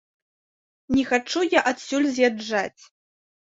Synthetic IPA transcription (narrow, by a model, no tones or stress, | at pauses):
nʲɛxat͡ʂujaʔat̪sʲulʲzʲjad͡ʐːat͡sʲ